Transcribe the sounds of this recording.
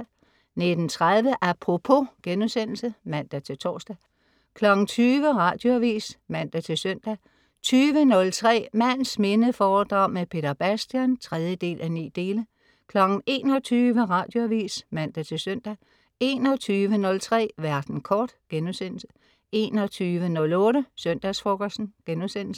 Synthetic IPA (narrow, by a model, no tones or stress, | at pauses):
ne̝d̥n̩t͡sʰʁaðˠʋəʔæpʰʁo̝pʰo̝ɡ̥enusen̰l̩səmæn̰d̥æt͡sʰe̝lt͡sʰɒːsd̥æ | kʰlɒ̽ɡ̥n̩t͡sʰyːʋəʁɑ̈d̥jo̝æʋḭːsmæn̰d̥æt͡sʰe̝lsœn̰d̥æ | t͡sʰyːʋənɔ̽lt͡sʰʁɛ̰ːmæn̰sme̝nəfɒːd̥ʁɑ̈ʊ̰mepʰe̝ːd̥ɐb̥æsd̥jænt͡sʰʁɛð̞ˠjəd̥e̝̰ːlʔænḭːd̥e̝ːlə | kʰlɒ̽ɡ̥n̩e̝̰ːnɒ̽t͡sʰyːʋəʁɑ̈ːd̥jo̝æʋḭːsmæn̰d̥æt͡sʰe̝lsœn̰d̥æ | e̝ːnɒt͡sʰyːʋənɔ̽lt͡sʰʁɛ̰ːʋæɐd̥n̩kʰɒːd̥ɡ̥enusen̰l̩sə̥ | e̝ːnɒt͡sʰyːʋənɔ̽lɔ̽ːɾəsœn̰d̥æsfɔkɒsdn̩ɡ̥enusen̰l̩sə̥